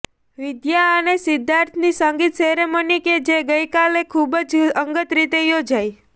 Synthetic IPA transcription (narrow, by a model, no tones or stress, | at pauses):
ʋɪd̪jaənesɪd̪ʱːaɾt̪ʰnisə̃ŋɡit̪ʃeɦɾeməniked͡ʒeɡəjkalekʰubəd͡ʒəŋɡət̪ɾit̪ejod͡ʒaj